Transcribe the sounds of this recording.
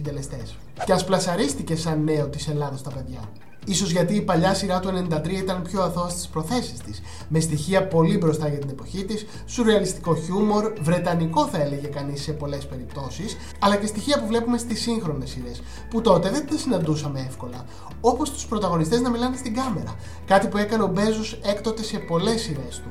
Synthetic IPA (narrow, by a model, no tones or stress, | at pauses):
d̪elest̪es | ceɐsplɐsɐɾist̪ice̞sɐnːe̞ot̪ise̞lɐðɐst̪ɐpe̞ðʝɐ̰ | iso̞zʝɐt̪iːpɐʎɐsiɾɐt̪ue̞ne̞nid̪ɐt̪ɾiɐit̪ɐnpço̞ɐθo̞ɐst̪i̥spɾo̞θe̞si̥st̪is | mest̪içiɐpo̞libɾo̞st̪ɐʝɐt̪ine̞po̞çit̪isːuɾeɐlist̪i̥ko̞çumo̞ɾvɾe̞t̪ɐniko̞θɐe̞le̞ʝe̞kɐnisːe̞po̞le̞spe̞ɾipt̪o̞sis | ɐlɐce̞st̪içiɐpuvle̞pume̞st̪isiŋxɾo̞nesiɾe̞s | put̪o̞t̪e̞ðe̞nt̪ɐsinɐnd̪usɐme̞e̞fko̞lɐ | o̞po̞st̪u̥spɾo̞t̪ɐɣo̞nist̪eznɐmilɐnest̪iɡɐme̞ɾɐ̰ | kɐt̪ipue̞kɐneo̞be̞zose̞kt̪ot̪e̞se̞po̞le̞sːiɾe̞st̪u